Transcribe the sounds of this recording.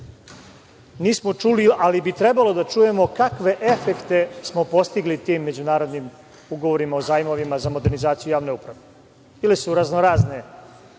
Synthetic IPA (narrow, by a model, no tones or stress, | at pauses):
niːsmo̞t͡ʃulialibit̪ɾe̞balo̞d̪at͡ʃuːje̞mo̞kakʋe̞ʔe̞fekt̪e̞smo̞po̞st̪iɡlit̪iːmːe̞d͡ʑunaːɾo̞d̪nim | uɡo̞ʋoɾimaozaːjmo̞ʋimazamod̪e̞ɾnizaːt̪sijujaːʋne̞upɾaʋe | ilesuɾaznoɾaːzne̞